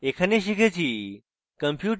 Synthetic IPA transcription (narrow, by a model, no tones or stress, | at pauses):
ekʰəneʃ̬ikʰet͡ʃʰi | kəmpʰjuːʈ